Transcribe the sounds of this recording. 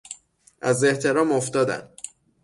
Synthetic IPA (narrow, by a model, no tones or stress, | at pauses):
ʔæzeht̪ʰeɾɒːmoft̪ɒːd̪æ̰n